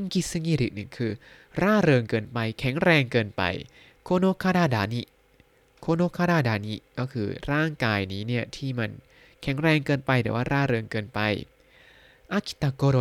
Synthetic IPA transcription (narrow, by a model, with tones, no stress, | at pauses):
ŋki˦˧sa˧ŋiː˧˩ɾi˨˦nɯ˨˩ŋkʰɯː˧ | ɾaː˥˩ɾɤː˧ŋkɤː˧npa˧jkʰɛ˨˩˦ŋɾɛː˧ŋkɤː˧npa̰˧j | kʰoː˧noː˧˥kʰaː˧˥˩ɾaː˧˩daː˧ni˦˥ | kʰoː˧noː˧˥kʰaː˧˥˧ɾaː˧˥˩daː˧ni˦˥kɔː˥˩kʰɯ̰ː˧ɾaː˥˩ŋkaː˧jniː˦˥ni˥˩ɐt̪ʰiː˥˩ma˧n | kʰɛ˩˦ŋɾɛː˧ŋkɤː˧npa˧jd̪ɛː˨˩˦waː˥˩ɾaː˥˩ɾɤː˧ŋkɤː˧npa˧j | ʔa˧˥kʰi̥˧˦t̪a˧koː˧ɾo˧